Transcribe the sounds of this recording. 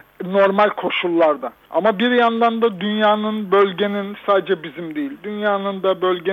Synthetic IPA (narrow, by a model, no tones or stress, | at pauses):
no̞ɾmalʲkʰo̞ʃulˠːaɾd̪a | a̰mabiɾjand̪and̪ad̪ynjaːnɯnbølʲɟe̞ninsaːd̪ed͡ʒɛbizimd̪ejilʲd̪ynjaːnɯnd̪abølʲɟe